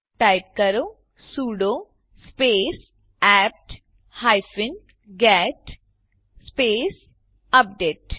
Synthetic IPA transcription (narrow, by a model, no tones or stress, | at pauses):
ʈaːɪp̚kəɾoː | suːɖoː | speːs | ɛːp̚ʈ | haːɪfɪn | ɡɛːʈ | speːs | ɐp̚ɖeːʈ